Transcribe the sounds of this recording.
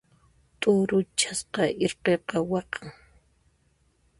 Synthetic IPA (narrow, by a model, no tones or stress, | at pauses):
t̪ʼʊɾʊt͡ʃasqɑʔɪɾqeqɑwɑqʰaŋ